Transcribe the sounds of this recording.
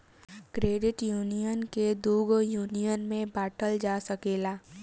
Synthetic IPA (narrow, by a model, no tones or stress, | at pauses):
kɾeːɖɪʈjuːnijənked̪uːɡjuːnijənmẽbaːʈəld͡ʒaːsəkeːlaː